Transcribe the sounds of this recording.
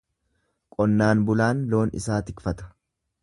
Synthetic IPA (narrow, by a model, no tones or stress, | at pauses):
kʼɔnːaːnbʊlaːnlo̞ːnɪ̰saːt̪ɪkfɐt̪ɐ̥